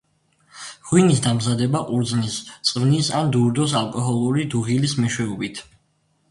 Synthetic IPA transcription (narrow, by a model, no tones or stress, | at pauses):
ʁwinisd̪amzad̪ɛbaʔʼuɾd̪znist̪sʼvnisand̪uɾd̪ɔs̬alˠkʼɔɦɔlˠuɾid̪uʁilismɛʃwɛɔbit̪ʰ